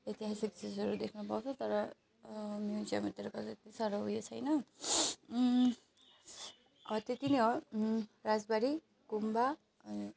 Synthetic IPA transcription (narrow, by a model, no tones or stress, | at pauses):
et̪iɦasik̚t͡sisʌɾud̪ekʰnupawt͡sʰʌt̪ʌɾʌ | mjud͡ʒiamat̪eɾʌkʌet̪isaɾoɦujet͡sʰʌjnʌ | ʌt̪et̪ineɦo | ɾad͡zbaɾi | kumba | ʌn